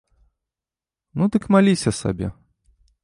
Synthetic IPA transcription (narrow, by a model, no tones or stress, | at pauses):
nud̪ɨkmalʲisʲɐsa̰bʲɛ̰